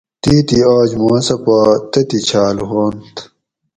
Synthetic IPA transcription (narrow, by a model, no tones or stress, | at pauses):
t̪iːt̪iaːd͡ʑmaːsɐpat̪ɐt̪it͡ɕʰaːlɦoːnt̪ʰ